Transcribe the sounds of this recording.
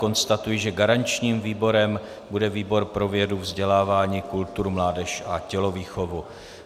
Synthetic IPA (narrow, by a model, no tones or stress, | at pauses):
ko̞nst̪at̪ujɪʒɛɡaɾaɲt͡ʃɲiːmviːbo̞ɾɛm | budɛviːbo̞ɾpɾo̞vjɛduvzɟɛlaːvaːɲiːkult̪uɾumlaːdɛʃʔacɛlo̞viːxo̞vu